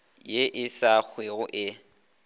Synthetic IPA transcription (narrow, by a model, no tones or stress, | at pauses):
jeʔɪsak͡xʰweɣʊʔɪ